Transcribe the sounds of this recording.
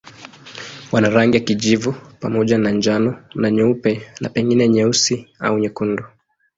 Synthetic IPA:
wanaɾaŋɡijakiʄivupa̰mɔʄanaɲd͡ʒanɔnaɲɛupɛna̰pɛŋɡinɛɲɛusia̰uɲɛkundu

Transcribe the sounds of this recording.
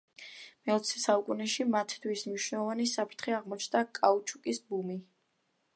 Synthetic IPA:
mɛɔt̪sʰɛ̥saukʼunɛʃimat̪ʰt̪ʰwismniʃwnɛlˠɔvanisapʰɾt̪ʰχiaʁmɔt͡ʃʰnd̪akʼaut͡ʃʼʰukʼisbumi

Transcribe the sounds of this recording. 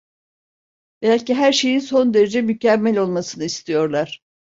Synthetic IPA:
bælʲciɦæɾʃe̞jinso̞nd̪e̞ɾe̞d͡ʒɛmycæmːælʲo̞lˠmasɯnɯist̪ʰijo̞ɾlˠaɾ̥

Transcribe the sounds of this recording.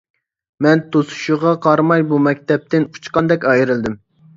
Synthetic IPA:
mɛnt̪ʰosu̥ʃuʁɑqʰɑɾmɑjbumɛk̚ʲt̪ɛp̚t̪ɪnu̥t͡ʃqɑnd̪ɛkʲɑjiɾɨld̪ɪm

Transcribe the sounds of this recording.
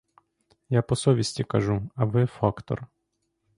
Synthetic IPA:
japɔsɔʋʲisʲtʲikɐʒuɐʋɪfɑkt̪ɔ̰r

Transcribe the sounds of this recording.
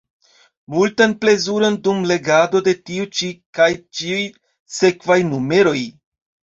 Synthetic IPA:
multanple̞zuɾo̞ndumle̞ɡado̞de̞tiut͡ʃikajt͡ʃiuj | se̞kvajnume̞ɾo̞j

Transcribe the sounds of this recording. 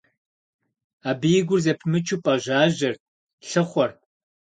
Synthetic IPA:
aːbijɪɡʷʊrzɐpʰmɨt͡ʃʰupʼɐʒaːʒɐr | ɬɨχʷɔr

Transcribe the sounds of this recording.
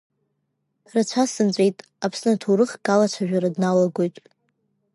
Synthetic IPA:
rat͡ɕʷʰasɨnt͡ɕʷʼe̞jtʼ | apʰsnɨtʰoɾɨχɡʼalat͡ɕʷʰaʒᶣaɾadnalaɡʷo̞jtʼ

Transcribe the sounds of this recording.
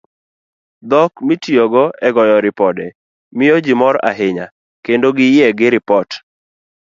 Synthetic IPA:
d̪ɔkmitioɡɔɛɡɔjɔɾɪpɔdɛ | mɪod͡ʒimɔɾa̰ɦɪɲa | kendoɡɪjɛɡɪɾɪpɔt

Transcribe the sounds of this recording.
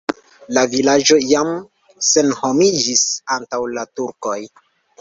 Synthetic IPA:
lavilad͡ʒo̞jam | se̞nho̞mid͡ʒisantawlatuɾko̞j

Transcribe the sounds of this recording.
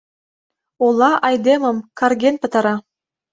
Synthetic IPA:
olˠɑʔɑjd̪emɤ̆mkɑrɡʲenpɤ̆t̪ɑ̆ɾɑ

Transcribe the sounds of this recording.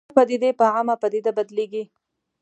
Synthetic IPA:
pad̪id̪epaamapad̪id̪abad̪leɡi

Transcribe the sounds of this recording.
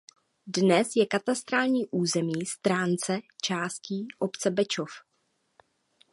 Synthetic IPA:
dnɛsjɛkat̪ast̪ɾaːlɲiːʔuːzɛmiːst̪ɾaːnt͡sɛt͡ʃaːsciːʔopt͡sɛbɛt͡ʃof

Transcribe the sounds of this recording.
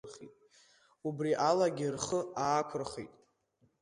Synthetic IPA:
rχḭtʼ | ubriʔalaɡʲirχəaːkʷʰʊrχḭtʼ

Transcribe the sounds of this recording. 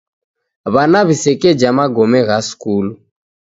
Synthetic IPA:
βanaβisɛkɛd͡ʒamaɡɔmɛɣaskulu

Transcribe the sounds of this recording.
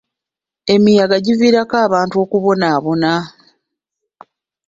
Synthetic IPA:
e̞mijaɡaɟiviːɾakaːβaːntuo̞kuβo̞naːβo̞na

